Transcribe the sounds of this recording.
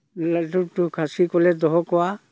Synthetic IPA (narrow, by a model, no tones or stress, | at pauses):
latutukʰasikɔlɛdɔɦɔkɔa